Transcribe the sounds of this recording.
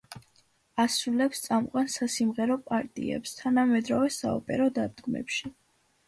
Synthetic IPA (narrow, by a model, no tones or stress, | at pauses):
asulɛpst̪sʼamqʼwansasimʁɛɾɔpʼaɾt̪ʼḭɛ̰pst̪ʰanamɛd̪ɾɔvɛsa̰ɔ̰pʼɛ̰ɾɔd̪ad̪ɡmɛ̰pʃi